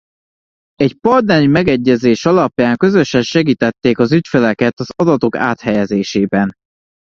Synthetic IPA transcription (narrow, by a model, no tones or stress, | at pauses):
ɛcpɒrd̪nɛɾimɛɡɛɟːɛzeːʃɒlɒpjaːŋkø̞zø̞ʃɛnʃɛɡiːt̪ɛt̪ːeːkɒzycfølɛkɛt̪ɒzɒd̪ɒt̪o̞ka̰ːt̪hɛjɛzeːʃeːbɛn